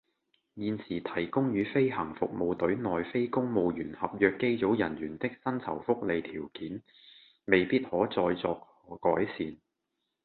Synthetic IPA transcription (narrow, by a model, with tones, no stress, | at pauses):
jiː˨˧nsiː˨˩t̪ʰɐ˨˩jkʊ˥ŋjyː˨˧fe˥jhɐ˨˩ŋfʊ̰˨k̚mo˨˧wt̪ɵ˨˥ɥnɔː˨jfe˥jkʊ˥ŋmo˨˧wjyː˨˩nhɐ˨p̚jœː˧kːe˥jt͡so˨˥wjɐ˨˩njyː˨˩nt̪ɪ˥k̚sɐ˥nt͡sʰɐ̰˨˩wfʊ˥k̚le˨˧jt̪ʰiː˨˩wkiː˨˥n | me˨jpiː˥t̚hɔː˨˥t͡sɔː˧jt͡sɔː˧k̚hɔː˨˥kɔː˨˥jsiː˨˧n